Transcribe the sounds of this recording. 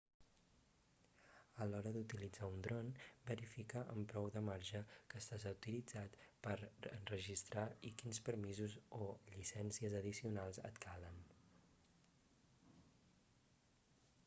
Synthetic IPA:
əlɔɾəðut̪ilid͡zaund̪ɾɔnbəɾifikəʔəmpɾɔwd̪əmaɾʒəkəːst̪azəwt̪ilid͡zat̪pəɾə̰nrəʒist̪ɾaikinspəɾmizuzoʎisɛnsiəzəðisiunalˠzə̰t̪kʰalən

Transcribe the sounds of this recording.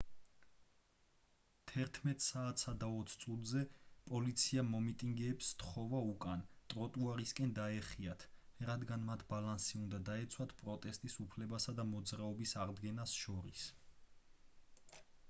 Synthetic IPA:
t̪ʰɛɾt̪ʰmɛt̪ʼsaːt̪ʰsad̪aɔt̪sʰt̪sʼut̪ʼzɛpʼɔlit̪sʰiamɔmit̪ʼiŋɡɛːpst̪χɔvaukʼant̪ʼɾɔt̪ʼuaɾiskʼɛnd̪aɛχiat̪ʰɾad̪ɡanmat̪ʰbalansiund̪ad̪aɛt̪sʰwat̪ʰpʼɾɔt̪ʼɛst̪ʼisupʰlɛbasad̪amɔd̪zɾaɔbisaʁd̪ɡɛnasʃɔɾis

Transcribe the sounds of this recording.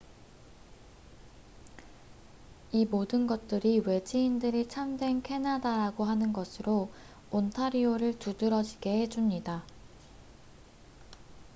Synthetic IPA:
imodɯnɡʌt̚t͈ɯɾiwe̞d͡ʑiindɯɾit͡ɕʰamdwe̞nkʰe̞nadaɾaɡoɦanɯnɡʌsʰɯɾo | ontʰaɾioɾɯɭtudɯɾʌd͡ʑiɡe̞he̞d͡ʑumɲida

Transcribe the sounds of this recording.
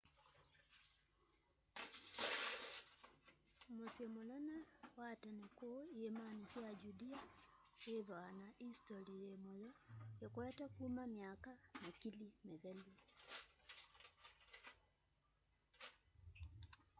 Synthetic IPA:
mosjemonanawatanekoiemanisjad͡ʒudia | eðwanaʔistɔliɾemojɔekowɛtakumamjakamakilimɛðɛli

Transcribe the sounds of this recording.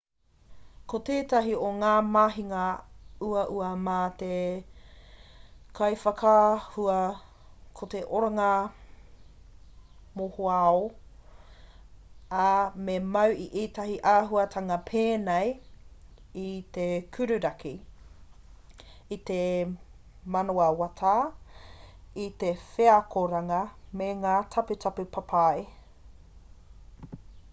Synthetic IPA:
kot̪eːtɐɦioŋaːmaːɦiŋɐuɐʔuɐmaːt̪e | kʰɐjfɐkʰɐhuɐ | kʰot̪eʔoɾaŋaɐ | mohoao | amemɐwiʔiːtɐɦiʔaːɦuɐtʰɐŋɐpʰeːnej | it̪ekʰʉɾʉɾɐki | it̪e | mɐnoɐwatʰaː | it̪efeakoɾɐŋɐmeŋaːtʰɐpʉtʰɐpʉpʰapʰae

